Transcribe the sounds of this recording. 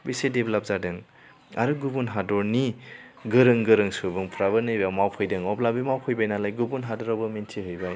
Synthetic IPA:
bisedeblap̚zadɯŋ | aɾɯɡubunɦadɔɾniɡɯɾɯŋɡɯɾɯŋsubɯŋpʰɾaβɯnɯjbawmawpʰɔjdɯŋɔplabimawpʰɯjbajnalajɡubunɦadɔɾawbɯmentʰiɦɯjbaj

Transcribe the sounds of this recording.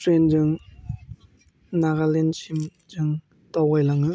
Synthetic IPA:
tɾend͡ʒɯŋ | naɡalensim | d͡ʒɯŋ | tawajlaŋɯ

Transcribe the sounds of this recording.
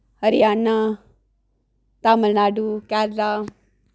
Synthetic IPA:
həɾijaːnːa | t̪aːməlnaːɖukaːɾɾa

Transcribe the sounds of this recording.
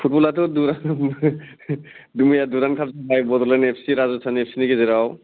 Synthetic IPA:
pʰut̚bɔlatɔduɾa | dumijaduɾankʰab̚zabajbɔdɔlanɛpʰsiɾazɔsʰanɛpʰsinikɛzɛɾaw

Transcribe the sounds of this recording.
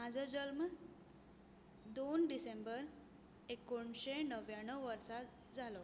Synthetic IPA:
mad͡zʱəd͡ʑəlm | d̪onɖisembəɾ | ekoɳɕenəʋjaɽ̃əʋəɾsa | d͡zʱalo

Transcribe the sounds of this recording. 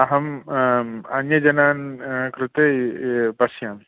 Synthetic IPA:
ɐɦɐm | ɐnjɐd͡ʒɐnaːnkɾut̪epɐsjam

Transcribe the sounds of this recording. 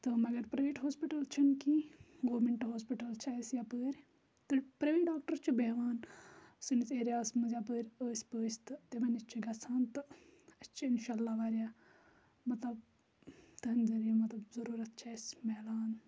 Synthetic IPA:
t̪ɨmɐɡɐɾpɾɐʋeːʈɦoːspiʈɐlt͡ʃʰɐnkiɡoːɾmeɳʈɦoːspiʈɐlt͡ʃʰaːsjapəːɾʲ | t̪ɨpɾɐʋeːʈɖaːk̚ʈɐɾt͡ʃʰubɐɦʋaːnsinit͡seːɾaːsmuzap̬əːɾʲəːspəːst̪ɨt̪ebɐnit͡ʃʰiɡɐsʰaːnt̪ɨɐt͡ʃʰiinʃaːlːaːʋaːɾʲjaː | mɐt̪lɐb̚ | t̪ɐnzɐɾijɐmɐt̪lɐbzɐɾuːɾɐt̪̚t͡ʃʰaːjsmeːlaːn

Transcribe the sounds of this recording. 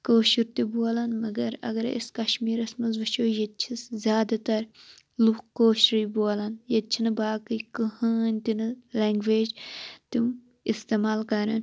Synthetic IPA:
koːʃiɾt̪iboːlɐnmɐɡɐɾɐ̰ɡɐɾḭskɐʃmiːɾɐsmɐnzʋɐʃoːjɐt̪̚t͡ʃʰiszʲjaːd̪ɐt̪ɐɾ | lukkoːʃɾɨjboːlɐnjɐt̪̚t͡ʃʰinɨbaːkɨjkɨhɐːnʲt̪inɨleŋɡʋeːd͡ʒt̪im | ist̪eːmaːlkɐɾɐn

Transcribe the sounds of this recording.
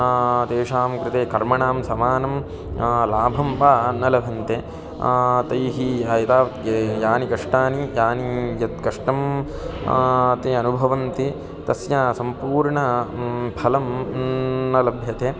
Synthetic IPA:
t̪eːʂaːmkɾɪt̪eːkɐɾmɐɳaːmsɐmaːnɐm | laːbʱɐmpaːnɐlɐbʱɐnt̪eː | t̪ɐjɦiaːjɐt̪aːʋt̪jaːnikɐʂʈaːnijaːnijɐt̪kɐʂʈɐm | t̪eɐnubʱɐʋɐnt̪i | t̪ɐsjasɐmpuːɾɳɐbʱɐlɐm | nɐlɐbʱjɐt̪eː

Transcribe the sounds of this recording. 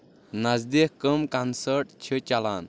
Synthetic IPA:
nazd̪ehkəmkansəɾʈ̚t͡ɕʰət͡ʃalan

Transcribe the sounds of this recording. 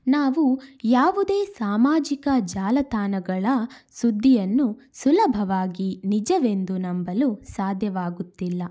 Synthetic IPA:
naːʋujaːʋud̪e̞ːsaːmaːd͡ʒikɐd͡ʒaːlɐt̪aːnɐɡɐɭɐsud̪ʱːijɐnːu | sulɐbʱɐʋaːɡinid͡ʒɐʋe̞nd̪unɐmbɐlusaːd̪ʱjɐʋaːɡut̪ːilːɐ

